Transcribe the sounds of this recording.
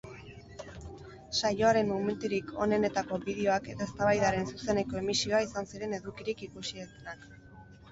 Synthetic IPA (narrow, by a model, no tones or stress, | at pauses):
sajo̞aɾe̞nmome̞nt̪uɾikʰo̞̰ne̞ne̞t̪ako̞biðe̞o̞ake̞t̪ae̞st̪aβajðaɾe̞nsuse̞ne̞ko̞e̞misio̞aisansiɾe̞ne̞ðukiɾikikusiet̪enak